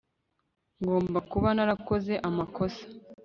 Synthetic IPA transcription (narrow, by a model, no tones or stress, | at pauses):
ŋɡo̞ːmbakuβanaɾako̞ze̞ʔamako̞sḁ